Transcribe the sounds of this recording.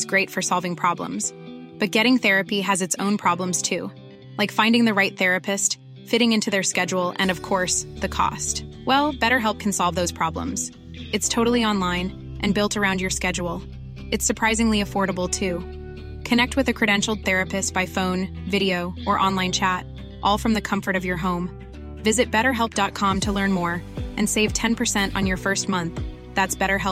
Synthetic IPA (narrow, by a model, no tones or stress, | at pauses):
zɡ̥ɹeɪtfə˞sɑlˠvɪ̃ŋpʰɹ̥ɑblə̰̃mz̥ | b̥ʌt̚ɡ̥ɛɾɪ̃ŋθɛɹɨpiɨzɨtsõʊ̃npʰɹ̥ɑblə̃mz̥tʰʉ | laɪkfãɪ̃ndɪ̃ŋðɨɹaɪt̪̚θɛɹɨpʰɨst | fɪɾɪ̃ŋɪ̃ntʰʉðə˞skɛd͡ʒul̩ˠʔɨ̰̃nʌv̥kʰɔɹsðɨkʰɔ̰st | wɛlˠb̥ɛɾə˞ɦɛlˠp̚kʰn̩sɑlˠvðoʊz̥pʰɹ̥ɑblə̰̃mz̥ | ɨtstʰoʊɾl̩ˠiɑ̃nlãɪ̃n | ʔɨ̃nbɪlˠtʰə˞ãʊ̃ndjə˞skɛd͡ʒul̩ˠ | ɨtsə˞pʰɹ̥aɪzɪ̃ŋliɨfɔɹɾəbl̩ˠtʰʉ | kʰɨnɛk̚t̚wɨðɨkʰɹ̥ɨɾɛ̃nʃl̩̚ˠθɛɹɨpɨstb̥aɪfõʊ̃n | vɪɾioʊʔə˞ʔɑ̃nlãɪ̃nt͡ʃʰæɾ | ʔɔlˠfɹʌ̃mðɨkʰʌ̃ɱfə˞ɾʌvjə˞ɦõʊ̃m | vɪzɨt̚b̥ɛɾə˞ɦɛlˠp̚d̥ɑt̚kʰɑ̃mtʰəlɜ̃˞nmɔɹʔɨ̃nseɪv̥tʰɛ̃npʰə˞sɛ̃ntn̩jə˞fɜ˞st̚mʌ̃nθ | ðætsb̥ɛɾə˞ɦɛ